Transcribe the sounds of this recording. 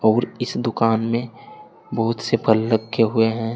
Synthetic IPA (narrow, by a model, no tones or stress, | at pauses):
ɔːɾɪsd̪ʊkaːnmẽ | bəɦʊt̪sepʰɐlːəɡːeɦʊeɦɛ̃ː